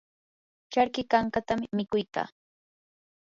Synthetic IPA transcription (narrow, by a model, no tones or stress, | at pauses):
t͡ʃaɾkɪkaŋkat̪ammɪkʊjka̰ː